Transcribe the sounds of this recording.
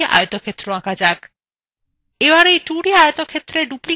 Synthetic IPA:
ʔa̰jɔt̪ɔkʰet̪ːɾoãkad͡ʒak | ebaɾejʈuɽiajot̪ɔkʰet̪ɾeɖupli

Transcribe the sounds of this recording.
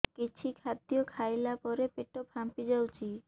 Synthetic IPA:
kit͡ɕʰikʰad̪ijokʰajlapɔɾepeʈopʰampid͡ʒawt͡ʃʰi

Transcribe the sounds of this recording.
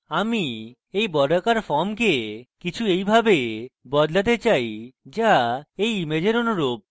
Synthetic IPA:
ami | ejbɔɖakaɾfɔɾmk̬ekit͡ɕʰuejbʱabebɔd̪lat̪̬et͡ɕajd͡ʑaejimed͡ʑeɾonoɾob̚

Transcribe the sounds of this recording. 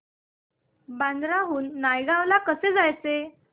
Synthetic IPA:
band̪ɾaɦuːnːajɡãʋlakəsed͡zajt͡se

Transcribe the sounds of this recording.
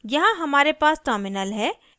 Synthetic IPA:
jɐɦãɦɐmaːɾepaːsʈəːɾmɪnəlɦɛː

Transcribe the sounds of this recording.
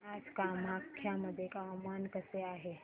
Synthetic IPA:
ad͡ʒkamakʰːjaməd̪ʱjekamaːnkəseaːɦe

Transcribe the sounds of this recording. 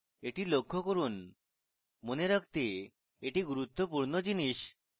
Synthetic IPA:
eʈilokʰːokoɾun | moneɾəkʰt̪e | eʈiɡuɾut̪ːɔpuɾnɔd͡ʑiniʃ

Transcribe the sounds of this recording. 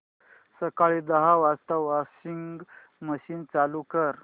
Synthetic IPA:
səkaɭid̪əɦaʋast̪əʋʋaɕiŋɡɡ | məɕiːnt͡salukəɾ

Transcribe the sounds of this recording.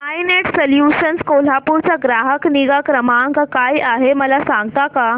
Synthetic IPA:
ajneʈsəljuɕənskol̤apuɾt͡ɕaɡɾaɦəkniɡakɾəmaŋkkajaɦeməlasãŋɡt̪aka

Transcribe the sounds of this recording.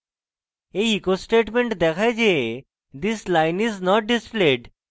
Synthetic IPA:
ejikosʈeʈmeɳʈd̪ɛkʰajd͡ʑe | d̪islajniznɔʈ̚ɖispleɖ

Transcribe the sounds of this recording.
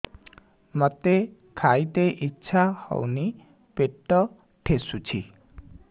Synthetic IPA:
mɔt̪e | kʰajt̪eʔitːʃʰahɔ̰wni | peʈːɔ | ʈʰesut͡ʃʰi

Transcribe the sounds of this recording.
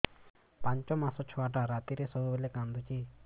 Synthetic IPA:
paɲt͡ʃɔmasɔt͡ʃʰɔaʈaɾat̪iɾesɔbubelekand̪ut͡ʃi

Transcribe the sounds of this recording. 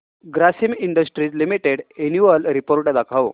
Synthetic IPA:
ɡɾasimiɳɖəsʈɾiːt͡slimiʈeɽenjuʋəlɾipoɾʈd̪akʰaʋ

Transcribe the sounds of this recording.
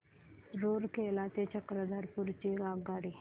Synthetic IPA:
ɾoːɾkelat̪et͡ʃəkɾəd̪aɾpuɾt͡ɕiɾaɡaːɽi

